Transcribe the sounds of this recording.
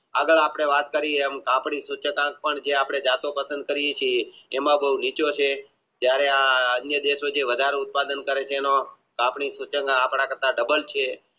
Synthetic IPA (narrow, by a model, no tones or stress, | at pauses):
aɡəɭapɽ̃eʋat̪̚kəɾieemkãpɳisut͡ʃəkãk̚pəɳd͡ʒeapɳ̃ed͡ʒat̪opəsə̃nd̪̚kəɾijet͡ʃʰieːmãbəɦunit͡ʃot͡ʃʰe | d͡ʒjaɾeaənjəd̪eʃod͡ʒeʋəd̪ʱaɾeʊt̪̚pad̪ənkəɾet͡ʃʰeːno | kãpɳisut͡ʃəŋɡapɳ̃ãkəɾt̪aɖəbəlt͡ʃʰe